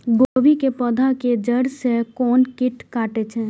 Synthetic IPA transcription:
ɡoːʋikepəd̪ʱaked͡ʒəɽsekɔːnkɪʈkaːʈet͡ʃʰɛː

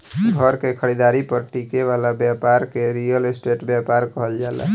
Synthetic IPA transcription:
ɡʱəɾkekʰəɽid̪aɾipəɾʈikeʋalabjapaɾkeɾijəlesʈeʈbjapaɾkəɦəld͡ʒala̰

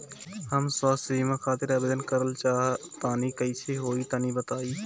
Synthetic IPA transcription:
həmsaːsimãxʰaːt̪ɪɾabeːd̪ənkəɾəlt͡ʃaːɦt̪aːnikəɪsʰeɦoːit̪aːnibət̪aːiː

